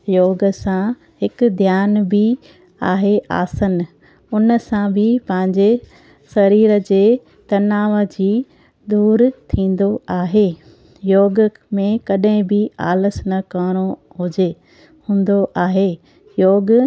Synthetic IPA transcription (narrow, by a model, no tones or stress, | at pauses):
joːɡəsã | hɪkʊd̪ʱjaːnbɪ | aːɦeʔa̰ːsən | ʊnəsãbʱɪpɐ̃ɦɪ̃ɲd͡ʑe | sɐɾiːɾə̆d͡ʑeː | t̪ɐnaːʋəd͡ʑiː | d̪uːɾt̪ʰĩːn̆d̪oaːɦeː | joːɡ | mẽkɐɗɦɪ̃bɪa̰ːləsnɐkəːɽ̃o | ɦʊd͡ʑe | hũːn̆d̪oʔaːɦeː | joːɡ